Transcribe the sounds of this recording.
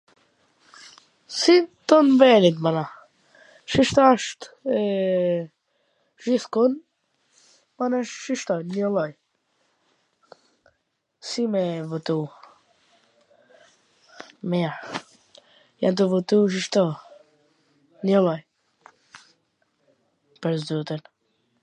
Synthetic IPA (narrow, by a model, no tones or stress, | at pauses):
sit̪ɔnvɛnit̪̬mana | ʃiʃt̪aʃt̪ | ʒiθkun | manɛʃʃiʃt̪ɔjnɔlɔj | simɛvɔt̪u | mɛaɾ | ja̰nt̪̬ɔvɔt̪uʃ̬iʃt̪ɔ | nɔlˠɔj | pəɾzd̪ut̪ən